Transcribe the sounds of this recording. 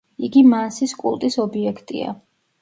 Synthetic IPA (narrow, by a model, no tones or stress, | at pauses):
iɡimansiskʼṵlˠt̪ʼisɔbiɛkʰt̪ʼḭa̰